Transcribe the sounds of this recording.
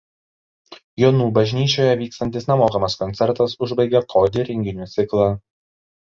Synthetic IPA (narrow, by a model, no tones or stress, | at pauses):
joːnuːbɐʒʲnʲiːt͡ʃʲoːjɛʋʲiːkst̪ɐnʲt̪ʲɪsnʲɛmoːkɐmɐskɔnʲt̪sʲɛɾt̪ɐsʊʒbɐɪɡʲɛkʰoːd̪ʲɪɾʲɪŋʲɡʲɪnʲuːt̪sʲɪklˠɑː